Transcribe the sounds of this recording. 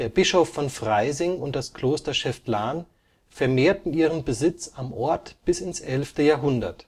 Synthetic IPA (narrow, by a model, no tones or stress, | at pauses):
d̥eːɐbɪʃofːɔnfʁ̥aɪzɪŋʊnt̚d̥askl̥oːstɐʃɛfplaːn | fɛɐmeːɐtn̩iːʁənbəzɪt͡samʔɔɐtb̥ɪsɪnsʔɛlftəjaːɐɦʊndɐ̰t